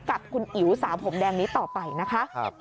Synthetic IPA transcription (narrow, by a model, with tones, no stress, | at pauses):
ka˨˩p̚kʰu˧nʔi˨˩˦wsaː˩˦mpʰo˩˦mdɛː˧ŋniː˦˥t̪ɔː˨˩pa˧jna˦˥kʰa˦˥